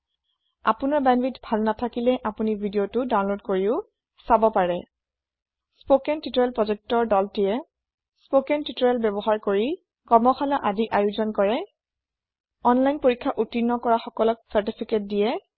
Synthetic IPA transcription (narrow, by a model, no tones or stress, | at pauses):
a̰pʊnaɹbanbitbʱalnatʰakilɛʔapunibʱidijotʊdaw̃nlodkoɹiʊ | sabɔpaɹɛ | spokɛntitɔɹɛlpɹɔzɛk̚tɔɹdɔltijɛ | spokɛntitɔɹɛlbɛbɔɦaɹkoɹi | kɔmɔxalaʔadiʔajuzɔnkɔɹɛ | ɔnlajnpoɹikʰːaʔutinːɔkɔɹaxɔkɔlɔk̚saɹtipʰiket̚dijɛ